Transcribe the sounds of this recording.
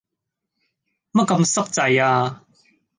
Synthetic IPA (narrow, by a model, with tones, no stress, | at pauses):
mɐ˦˥kɐ˧msɐ˥k̚t͡sɐ˨jaː˧